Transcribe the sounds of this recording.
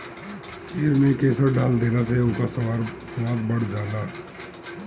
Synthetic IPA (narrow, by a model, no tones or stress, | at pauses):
eːɾmẽkeːsəɾɖʱaːld̪eːlaseʊ̃kasɾ | səʋaːd̪̚bəɽ̤d͡ʒaːd̪a